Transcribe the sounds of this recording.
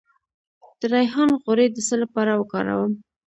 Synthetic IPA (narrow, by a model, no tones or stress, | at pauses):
d̪̥əɾajɦɑnɣʊɾed̪əsəlapɑɾawəkɑ̰ɾa̰wəm